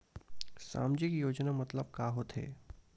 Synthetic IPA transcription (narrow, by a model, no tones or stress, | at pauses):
sa̰ːmd͡ʒɪkjoːd͡ʒnamɐt̪ləb̚kaːɦot̪ɦḛː